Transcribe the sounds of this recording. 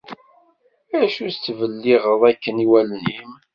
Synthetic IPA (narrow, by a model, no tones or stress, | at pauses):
æʃust͡s̪ːvəlːiʁəðˤækːəniwælnim